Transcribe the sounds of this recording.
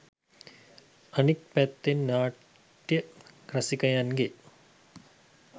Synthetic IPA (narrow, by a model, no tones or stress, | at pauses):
ɐnik̚pɛt̪ːinnaː | ʈjɐkɾɐsikɐjanɡe